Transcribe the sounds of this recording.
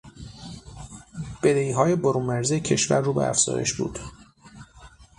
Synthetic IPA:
b̥ed̪eiːɦɒːje̞boɾuːnmæɾzecʰe̞ʃvæ̰ɾːuːbḛæ̰fz̥ɒ̰ːjḛʃbṵːd̪̥

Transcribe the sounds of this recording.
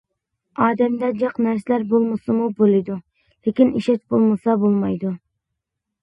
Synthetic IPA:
ɑːd̪ɛmd̪ɛd͡ʒɑqnæɾsɪlæɾbolˠmɨsɨmubolˠɨd̪u | lekʲiniʃɛt͡ʃbolˠmɨsɑbolˠmɑjd̪u

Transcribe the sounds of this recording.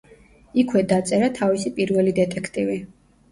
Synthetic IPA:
ikʰwɛd̪at̪sʼɛɾat̪ʰavisipʼiɾvɛlid̪ɛt̪ʼɛkʰt̪ʼivi

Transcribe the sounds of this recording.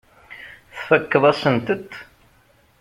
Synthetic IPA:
θfəkːəðˤæsənt̪ət̪

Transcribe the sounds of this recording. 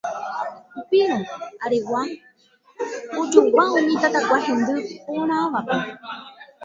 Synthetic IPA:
upiɾõaɾewa | od͡ʒokʷaõɲẽt̪at̪akʷahẽnd̪ɨpoɾ̃ãʋape

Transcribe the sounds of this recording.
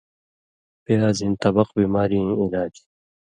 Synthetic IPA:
peaːzint̪ɐbɐqbiːmaːɾĩilaːd͡ʑi̥

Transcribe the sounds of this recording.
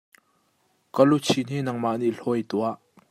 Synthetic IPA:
kəlut͡sʰin̥inɐŋmaʔniʔɬɔjt̪uaʔ

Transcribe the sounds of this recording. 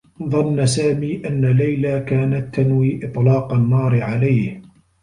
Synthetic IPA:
ðˤɑnːsaːmiːʔanːalajlaːkaːnat̪ːanwiːʔɨt̪ˤlɑːqanːɑːɾɪʕalajh

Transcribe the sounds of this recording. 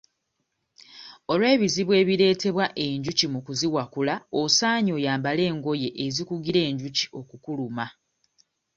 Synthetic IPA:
o̞lwe̞ːβiziβwe̞ːβiɾe̞ːte̞βwaʔe̞ɲɟucimukuziwakulaosaːɲo̞ːjaːmbale̞ːŋɡo̞je̞ʔːzikuɡiɾe̞ːɲɟuci̥o̞kukuluma

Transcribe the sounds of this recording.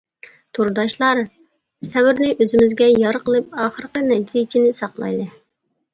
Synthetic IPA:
t̪ʰuɾd̪ɑʃlˠɑɾ | sɛwɪɾnɪʔøzɪmɪzɡʲɛjɑɾqəlˠɨp̚ɑːχəɾqənɛt̪ʰijd͡ʒinɪsɑqlˠɑ̰jd̪ˠɨ

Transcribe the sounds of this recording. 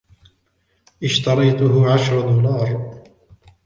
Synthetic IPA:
ʔɪʃt̪ɑɾˤɑjt̪ʊɦʊʕaʃɾˤɑd̪uːlɑːɾˤ

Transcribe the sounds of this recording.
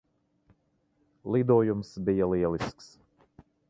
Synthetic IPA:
lˠid̪uɔjumsbijɐlˠiɛlˠisks

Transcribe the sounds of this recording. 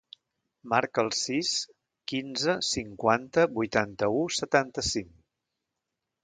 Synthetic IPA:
maɾkəlˠsis | kinzəsiŋkwant̪əbujt̪ant̪əusət̪ant̪əsiŋ

